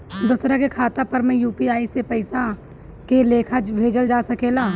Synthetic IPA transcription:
d̪ʊːsɾakekʰaːt̪apɐɾmɛ̃juːpiaːisepəɪsa | keleːkʰad͡ʒbʱeːd͡ʒəld͡ʒaːsɐkeːlaː

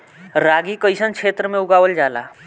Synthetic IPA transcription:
ɾaːɡikəɪsənkʰeːt̪ɾəmẽʊɡaːʋəld͡ʒaːla̰ː

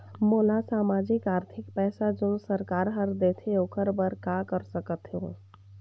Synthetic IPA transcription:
moːlasaːmaːd͡ʒɪkaːɾt̪ʰɪkpɛːsad͡ʒʊnsəɾkaːɾɦəɾd̪eːt̪ʰeokəɾbəɾkakəɾsəkət̪ɦõː

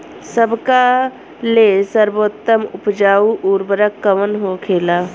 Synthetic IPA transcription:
səbʱka | lesəɾboːt̪ːəmʊpd͡ʒaːuʔuɾbəɾəkːəmənɦokʰeːlaː

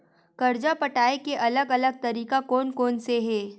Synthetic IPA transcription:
kɐɾd͡ʒapɐʈaːekeʔɐləɡɐləɡ̚t̪ɐɾiːkakɔːnkɔːnseɦɛː

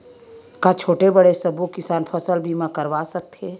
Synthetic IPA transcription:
kat͡ʃʰoːʈebəɽesɐbukɪsaːnpʰəsəlbʱiːmãkəɾʋasɐk̚t̪ʰeː

